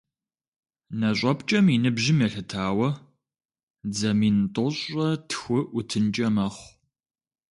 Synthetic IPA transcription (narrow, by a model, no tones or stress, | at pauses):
nɐɕʷʼɐpt͡ʃʼɐminɨbʒɪmjɛɬɨtʰaːwɐ | d͡zɐmintʼɔɕʷʼɐtʰxʷʊʔʊtʰɨnt͡ʃʼɐmɐχʷ